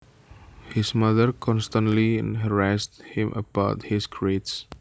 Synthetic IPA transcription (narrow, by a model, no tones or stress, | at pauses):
hismadəɹkʰɔ̃nstə̃ntliɛ̰̃nɦəɹast̚hĩmʔə̰baʊt̚hiskʰɹets